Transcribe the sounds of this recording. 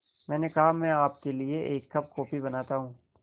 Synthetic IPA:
mɛ̃ːnekɐɦamɛ̃ːaːp̚kelieʔeːkːɐb̚kɔːpibɐnaːt̪aɦũː

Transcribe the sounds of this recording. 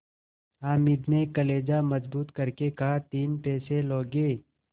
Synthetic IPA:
aːmɪd̪nekɐleːd͡ʒamɐzbuːt̪kɐɾkekaɦt̪iːnpɛːseloːɡeː

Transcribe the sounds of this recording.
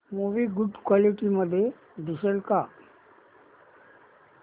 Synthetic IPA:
moʋiɡʊɖkwaːliʈiməd̪ʱːje | ɖisəlka

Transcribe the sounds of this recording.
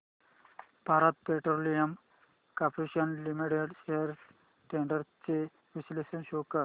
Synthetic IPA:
b̥ʱaɾat̪̚peʈɾolijəm | kapɾiɕənlimiʈeɖɕejəɾ | ʈeɳɖəɾt͡ɕe | ʋislesɐnɕokə

